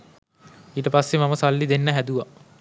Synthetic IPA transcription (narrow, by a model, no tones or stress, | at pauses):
iːʈəpasːemaməsalːid̪enːəɦæd̪uʋa